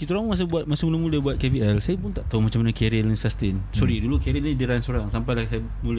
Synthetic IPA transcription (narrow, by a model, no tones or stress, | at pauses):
kit̪uɾaŋmuŋmas̬əbuat̪̚masɪmuləmuləbuat̪̚keviɛlsajapʊnt̪aʔt̪aumat͡ʃamːanakɛɾilinsast̪ɪnsɔɾidulukɛɾilidiɾansoɾaŋsampajlahsaja | mulə